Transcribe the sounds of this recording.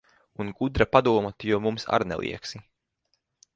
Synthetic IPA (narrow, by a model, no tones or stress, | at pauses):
unɡud̪ɾapad̪uɔmat̪ijuɔmumsa̰ɾnɛ̰lˠʔḭɛksi